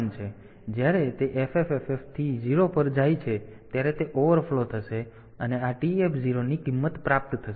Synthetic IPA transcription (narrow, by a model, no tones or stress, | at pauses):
nt͡ʃʰe | d͡ʒjaɾet̪eʔefefefeft̪ʰiziɾopəɾd͡ʒajt͡ʃʰet̪jaɾet̪eʔoʋəɾfʰlot̪ʰəʃe | əneaʈiepʰziɾonikimːət̪pɾap̚t̪t̪ʰəʃ